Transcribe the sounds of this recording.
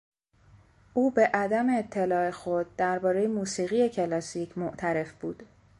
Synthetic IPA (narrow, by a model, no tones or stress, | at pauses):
ʔuːbe̞ʔæd̪æmeːt̪ʰːe̞lɒːexo̞d̪̚ːæɾbɒːɾe̞jemuːsiːɣije̞cʰe̞lɒːsicʰmoʔt̪ʰæɾe̞fb̥uːd̪̥